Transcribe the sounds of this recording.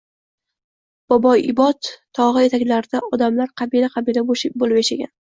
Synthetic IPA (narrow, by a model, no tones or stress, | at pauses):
b̥ɒbɒjɪbɒt̪ːʰɒʁɨe̞t̪ʰakʲlaɾd̪aʔɒd̪amlaɾqʰɑbilaqʰɑbilaboʃɪbolˠɪpeʃaɡʲa̰n